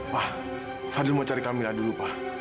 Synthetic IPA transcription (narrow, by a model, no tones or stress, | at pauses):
pa | fadilmɔt͡ʃaɾikamiladulupa